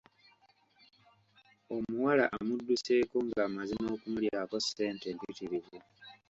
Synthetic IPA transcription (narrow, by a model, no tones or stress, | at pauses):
o̞muwala̰ʔamudːuse̞ːkoŋɡaːmazino̞ːkumuljaːko̞se̞ːntempitiɾize